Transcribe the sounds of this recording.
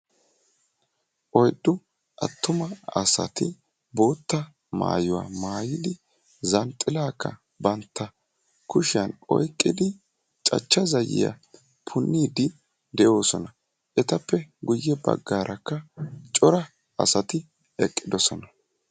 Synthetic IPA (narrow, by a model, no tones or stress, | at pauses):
ʔɔjd̪ːʊ | ʔɐ̰t̪ːʊmɐɐsɐ̰t̪ɪ | bo̞ːt̪ːɐ | ma̰ːjʊwa̰ːmaːjɪd̪ɪ | zɐnt̪ʼːɪlaːkːɐ | bɐnt̪ːɐ | kʊʃɪjɐnɔ̰jkʼːɪd̪ɪ | t͡ʃʼɐ̰t͡ʃːɐzɐjɪ̰jɐ̰ | pʰʊnːiːd̪ɪ | d̪ɛʔo̞ːsɔnɐ | ʔɛt̪ɐpːɛɡʊjːɛbɐ̰ɡːaːɾʔɐkːɐt͡ʃʼɔɾɐ | ɐ̰sɐt̪ɪ | ɛkʼːɪd̪ɔsɔnɐ